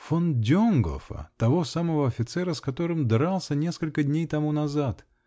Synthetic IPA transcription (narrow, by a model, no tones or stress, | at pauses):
fondʲonɡo̰fə̰t̪ɐvo̞saməvəɐfʲɪt̪sɛɾəskɐt̪o̞ɾɨmd̪ɾalˠsʲənʲe̞skəlʲkədʲnʲejt̪ɐmunɐzat̪